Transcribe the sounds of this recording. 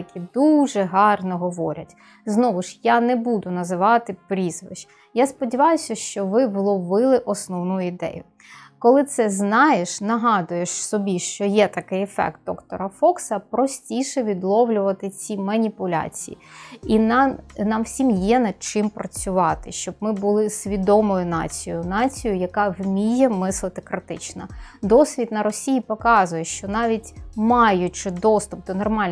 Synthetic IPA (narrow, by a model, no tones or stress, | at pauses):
ɐkʲid̪uʒɛɦɑrnɔɦɔʋɔɾʲɐtʲ | znɔʋʊʃjanɛbud̪ʊnɐzɪʋɑt̪ɪpɾʲizʋɪʒ̥ | jaspɔdʲiʋɑjʊsʲɐʃt͡ʃɔʋɪʋlˠɔʋɪlˠɪʔɔsnɔwnujʊid̪ɛ̰jʊ | kɔlˠɪt̪sɛznɑjeʃnɐɦɑd̪ʊjeʃsɔbʲiʃt͡ʃɔjɛt̪ɐkɪjɛfɛ̰k̚t̪̚d̪ɔkt̪ɔ̰ɾɐfɔksɐpɾɔsʲtʲijʃɛʋʲid̪lˠɔwlʲʊʋɐt̪ɪt͡sʲimɐnʲipʊlʲa̰t͡sʲijḭinɑnɑmwsʲimjɛnɐd̪̚t͡ʃɪmpɾɐt͡sʲʊʋɑt̪ɪʃt͡ʃɔb̚mɪbʊlˠɪsʲʋʲid̪ɔmɔjʊnɑ̰t͡sʲijʊnɑt͡sʲijʊjɐkɑwmʲijɛmɪslˠɪt̪ɪkɾɪt̪ɪt͡ʃnɐd̪ɔsʲʋʲid̪̚nɐɾɔsʲijipɔkɑzʊjɛʃt͡ʃɔnɑʋʲitʲmɑjʊt͡ʃɪd̪ɔst̪ʊp̚d̪ɔnɔrmɑlʲ